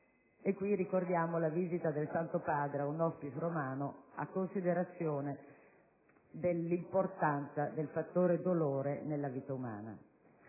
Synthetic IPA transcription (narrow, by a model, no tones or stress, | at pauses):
ekːwirikord̪jaːmolaviːzit̪ad̪elsant̪opaːd̪ɾeaunɔspit̪ɾomaːnoa̰kːonsid̪eɾat̪sːjoːne | d̪elːimport̪ant̪sad̪elfat̪ːoːɾed̪oloːɾenelːaviːt̪auma̰ːna̰